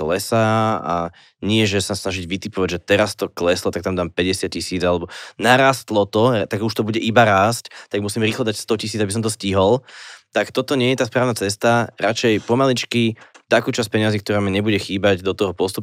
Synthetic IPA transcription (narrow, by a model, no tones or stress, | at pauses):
lɛsaa̰ | ɲɪɛʒɛsasnaʒiɟʋit̪ipɔʋaɟʒɛt̪ɛɾast̪ɔklɛslɔt̪akt̪amd̪aːmpɛɟɛsɪat̪̚cisiːd͡zalɛbɔnaɾaːst̪lɔt̪ɔt̪aɡuʃt̪ɔbuɟɛʔibaɾaːsct̪aɡmusimɾiːxlɔd̪acst̪ɔcis̬iːd͡zabis̬ɔmt̪ɔsciɦɔlt̪akt̪ɔt̪ɔɲɪɛjɛt̪aːspɾaːʊnat͡sɛs̬t̪aɾat͡ʃɛjpɔmalit͡ʃkit̪akuːt͡ʃaspɛɲɪaziːk̚t̪ɔɾaːmaɲɛbuɟɛxiːbaɟd̪ɔt̪ɔɦɔpɔst̪up